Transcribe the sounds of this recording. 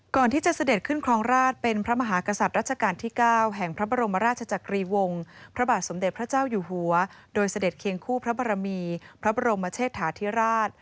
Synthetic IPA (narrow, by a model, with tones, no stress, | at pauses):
kɔː˨˩nt̪iː˥˩t͡ɕa˨˩sa˧de˨˩kʰɯ˥˩nkʰɾɔː˧˥ŋɾaː˥˩t̪̚pe˧npʰɾa˦˥ma˧ɦaː˩˦ka˧sa˨t̪̚ɾaː˥˩t̪̚t͡ɕʰa˧kaː˧nt̪ʰiː˥˩kaː˥˩wɦɛ˨˩ŋpʰɾa˦˥ba˧ɾo˧mːa˧ɾaː˥˩t͡ɕʰa˧t͡ɕa˨˩kɾiː˧wo˧ŋpʰɾa˦˥baː˨˩t̪̚so˩˦mde˨˩pʰɾa˦˥t͡ɕaː˥˩wjuː˨˩ɦu˨˩˦ɐdoː˧jsa˧de˨˩t̪̚kʰe˧əŋkʰuː˥˩pʰɾa˦˥ba˧ɾa˧miː˧pʰɾa˦˥ba˧ɾo˧mːa˧˦t͡ɕʰeː˥˩t̪ʰːaː˩˦t̪ʰi˦˥ɾaː˥˩t̪̚